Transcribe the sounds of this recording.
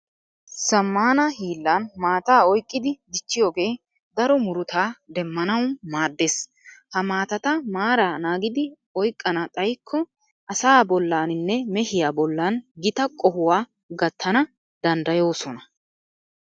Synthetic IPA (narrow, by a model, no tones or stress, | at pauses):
sɐmːaːnɐhiːlːɐnmaːt̪aːɔjkʼːɪd̪ɪd̪ɪt͡ʃːɪjo̞ːɡe̞ː | d̪ɐɾɔmʊɾʊt̪aːd̪ɛmːɐnɐwmaːd̪ːeːs | hɐmaːt̪ɐt̪ɐmaːɾaːnaːɡɪd̪ɪ | ɔjkʼːɐnɐt̪ʼɐjkʰːɔ | ʔɐsaːbɔlːaːnɪnːɛmɛhɪjaːbɔlːaːnɡɪt̪ɐkʼɔhʊwaː | ɡɐt̪ʰːɐnɐ | d̪ɐnd̪ɐjo̞ːsɔnɐ